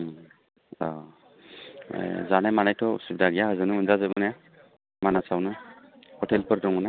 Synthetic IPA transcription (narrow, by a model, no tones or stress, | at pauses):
a | zanamanajtʰɔṵsub̚daɡijaɦazɯnuɯnzazajbanɛja | manasawnɯhɔtʰɛlpəɾdɔŋɯna